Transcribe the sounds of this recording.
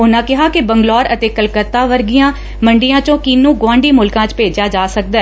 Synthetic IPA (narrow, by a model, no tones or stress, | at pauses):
ʊnãːkɪɦaːkɪbəŋɡlɔːɾət̪eːkəlkət̪ːaːʋəɾɡɪjãː | məɳɖɪjãːt͡ʃõːkinːũːɡwãːɳɖiːmʊlkãːt͡ʃpeːd͡ʒjaːd͡ʒaːsək̚d̪ɛː